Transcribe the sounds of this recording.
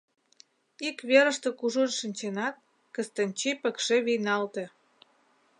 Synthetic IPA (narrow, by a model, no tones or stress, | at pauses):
ikβeɾə̆ʃt̪ə̆kuʒunʃənʲt͡ɕenɑt̪̚ | kəst̪ənʲt͡ɕipəkʃeβijnɑlt̪e